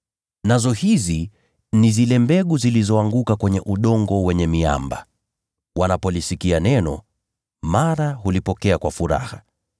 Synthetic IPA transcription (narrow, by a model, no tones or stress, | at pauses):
nazɔhizi | nizilɛmbɛɠuzilizɔaŋɡukakwɛɲɛʔuɗɔŋɡɔwɛɲɛmia̰mba̰ | wanapɔlisikianɛnɔ | maɾaɦulipɔkɛakwafuɾa̰ha